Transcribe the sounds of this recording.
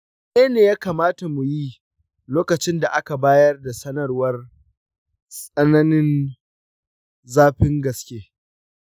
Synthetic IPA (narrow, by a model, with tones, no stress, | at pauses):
neː˦neː˨jaː˦kaː˨maː˦ta˨mu˨jiː˦ | loː˦kɐ˨t͡ʃɪ˦nda˨ʔa˦ka˨baː˦jɐ˦rda˨sɐ˦nɐ˨rwɐ˦r | sʼɐ˦nɐ˦nɪ˦n | zaː˦ɸɪ˦ŋɡɐ˨skʲeː˦